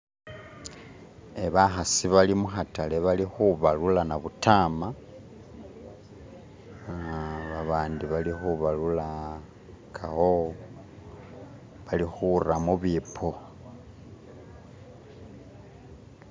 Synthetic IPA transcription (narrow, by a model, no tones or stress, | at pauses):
eβaxasiβalimuxatale̞βalixuβalulanaβutaːma | βaβaːndiβalixuβalula | kʰaho | βalixuramuβipʰo